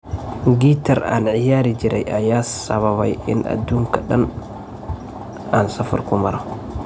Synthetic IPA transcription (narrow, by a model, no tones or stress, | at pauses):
ɡit̪aɾa̰nʕɪjaːɾid͡ʒiɾʔɛ̰jʔajaːsɐβaβajɪ̰nʔa̰d̪uŋkaɗan | ansɐfa̰ɾkumaɾa